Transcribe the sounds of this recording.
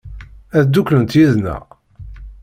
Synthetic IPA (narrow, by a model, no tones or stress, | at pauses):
æðd̪ːuklənt̪jiðnæ̰